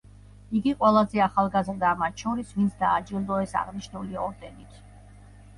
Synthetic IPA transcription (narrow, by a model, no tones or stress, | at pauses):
iɡiqʼwɛlˠazɛaχalˠɡazɾd̪amat̪ʰʃɔɾisvint̪sʰd̪aːd͡ʒilˠd̪ɔɛsa̰ʁniʃnuliɔɾd̪ɛnit̪ʰ